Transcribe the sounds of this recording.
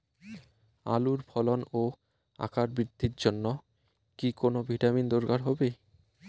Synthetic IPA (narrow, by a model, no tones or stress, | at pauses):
a̰luɾbʱʰɔlono | a̰kaɾbɾid̪ʱːiɾd͡ʑonːo | kikonobʱiʈamind̪oɾɡaɾɦɔbe